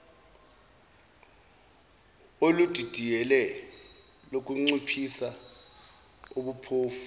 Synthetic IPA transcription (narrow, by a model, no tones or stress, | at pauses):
olud̥ʱid̥ʱijɛlɛ | lok̬ʼuŋ͡ǀupʰisa | uɓupʰoːfu̥